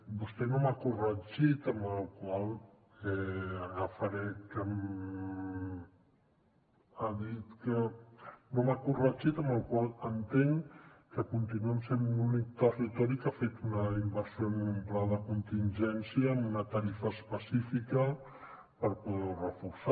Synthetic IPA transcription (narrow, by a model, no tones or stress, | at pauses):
bust̪ɛnomakurəd͡ʒit̪əməlˠkwalˠ | ɛafəɾɛkəm | aðit̪kə | nomakurəʒit̪əməlˠkwalˠənt̪eŋkəkunt̪inuəmsemnunik̚t̪ərit̪ɔɾikafet̪unəimbəɾsjoəmumplaðəkunt̪inʒɛnsjiəːmunət̪əɾifəːspəsifikə | pəɾpuðɛurəfuɾsa